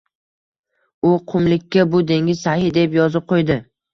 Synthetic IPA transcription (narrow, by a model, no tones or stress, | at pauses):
ʊqʰʊmlɪkʲʰːabʊd̪e̞ŋʲɪz̥sahɪd̪e̞pjɒzɪp̚qʰojd̪ɪ